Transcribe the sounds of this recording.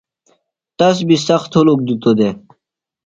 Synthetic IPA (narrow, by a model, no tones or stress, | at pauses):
t̪ɐs̬bisɐxt̪hulok̚d̪ut̪od̪e